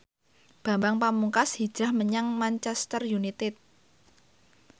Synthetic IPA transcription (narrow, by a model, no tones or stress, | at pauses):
b̥a̤mbaŋpamuŋkashi̥d͡ʒ̥ɾahməɲaŋmaɲt͡ʃɛst̪ərjunit̪ɪt̪̚